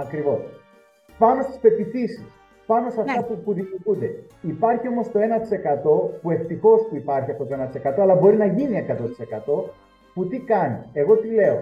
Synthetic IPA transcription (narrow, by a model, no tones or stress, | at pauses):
ɐkɾivo̞s | pɐnost̪i̥spe̞piθisis | pɐno̞seɐft̪ɐpupuðimiuɾɣund̪e̞ | ipɐɾçio̞mo̞st̪o̞e̞nɐt̪i̥se̞kɐt̪o̞pue̞ft̪ixo̞spuipɐɾçiɐpo̞t̪o̞e̞nɐt̪i̥se̞kɐt̪o̞ɐlɐbo̞ɾinɐʝinie̞kɐt̪o̞t̪i̥se̞kɐt̪o̞ | put̪ikɐnie̞ɣo̞t̪ile̞o